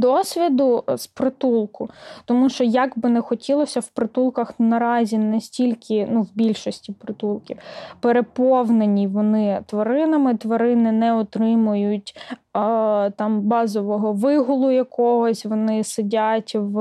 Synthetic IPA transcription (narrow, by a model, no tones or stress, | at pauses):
d̪ɔsʲʋʲid̪ʊspɾɪt̪ulˠkʊt̪ɔmuʃt͡ʃɔjɐɡbɪnɛxɔtʲilˠɔsʲɐwpɾɪt̪ulˠkɐxnɐɾɑzʲinɐsʲtʲilʲkʰɪnuwbʲilʲʃɔsʲtʲipɾɪt̪ulˠkʲiwpeɾepɔwnenʲiʋɔnɪt̪ʋɐɾɪnɐmɪt̪ʋɐɾɪnɪnɛɔt̪ɾɪmʊjʊtʲ | t̪ɑmbɑzɔʋɔɦɔʋɪɦʊlˠʊjɐkɔɦɔsʲʋɔnɪsɪdʲatʲʋ